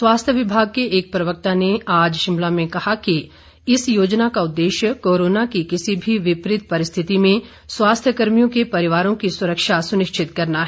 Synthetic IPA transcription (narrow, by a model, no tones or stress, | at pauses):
swaːst̪ʰjəʋɪbʱaːɡ̚keʔeːk̚pɾɐʋək̚t̪aneaːd͡ʒʃɪ̃mlamẽkɐhaki | ɪsjoːd͡ʒnakaʊd̪ːeːʃjəkoːɾoːnakikɪsibʱiʋɪpɾɪt̪̚ʰpɐɾɪst̪ʰɪt̪imẽ | swaːst̪ʰjəkəɾmijõkepɐɾɪʋaːɾõkisʊɾəkʃasʊnɪʃt͡ʃɪt̪kɐɾnaɦɛ